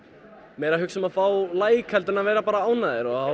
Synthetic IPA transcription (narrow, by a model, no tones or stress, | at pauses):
mɛjɾaɦʏksʏmaðfaːwlaːjkʰɛlt̪ʏnavɛːjɾapaːɾaaːwnaðɪɾɔha